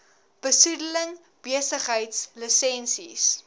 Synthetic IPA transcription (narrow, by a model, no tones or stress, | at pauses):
b̥əsudələŋ | b̥iəsəχɦəjtslisɛnsḭs